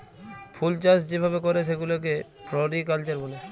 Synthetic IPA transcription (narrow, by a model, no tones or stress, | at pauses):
pʰult͡ʃasd͡ʑebʱabekɔɾeʃ̬eɡulok̬e | pɾɔɾikalt͡ʃaɾbole